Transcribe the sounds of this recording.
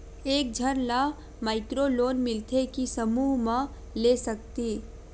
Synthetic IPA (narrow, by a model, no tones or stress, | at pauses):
eːk̚d͡ʒʱəɾla | maːɪkɾoloːnmɪlt̪ʰekisəmuːɦmã | leːsək̚t̪iː